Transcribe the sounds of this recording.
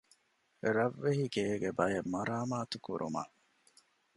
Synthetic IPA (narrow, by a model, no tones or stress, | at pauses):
ɾɐʋːeɦiɡeːɡebɐjemɐɾaːmaːt̪ukṵɾʔṵmɐ̰ʔ